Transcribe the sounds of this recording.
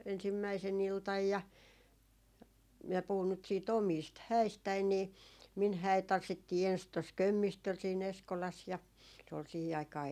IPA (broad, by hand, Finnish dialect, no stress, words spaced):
ensimːæisen iltɑj jɑ minæ puhun nyt siːt omiːst hæistæi niː min hæˑit tɑnsːitːiː ens tos kømːistøl siːn eskolɑs jɑ se ol sihi ɑikɑː